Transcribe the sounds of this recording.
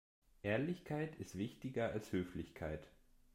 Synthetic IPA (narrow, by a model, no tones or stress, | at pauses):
ʔeːɐlɪçkʰaɪtɪstv̥ɪçtɪɡɐalshøːflɪçkʰaɪt